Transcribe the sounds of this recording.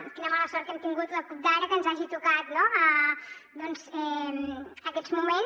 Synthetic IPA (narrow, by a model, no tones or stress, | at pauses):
kinəmaləsɔɾt̪kɛmt̪iŋɡut̪ləkup̚d̪aɾəkənzaʒit̪ukat̪noəd̪ɔnzɛməkɛd͡zmumen